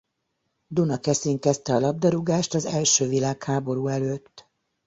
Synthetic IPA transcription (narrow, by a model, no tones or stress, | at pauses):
d̪unɒkɛsiŋkɛst̪ɛɒlɒb̚d̪ɒɾuɡaːʃt̪ɒzɛlʃøːvilaːkhaːbo̞ɾuːɛløːt̪ː